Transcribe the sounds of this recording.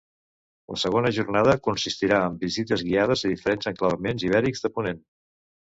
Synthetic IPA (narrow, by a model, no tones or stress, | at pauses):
lə̰səɣ̞onəʒurnaðəkunsist̪iɾaəmbizit̪əzɣiað̞əziðifəɾenzəŋkləβəmenziβɛɾikzðəpunen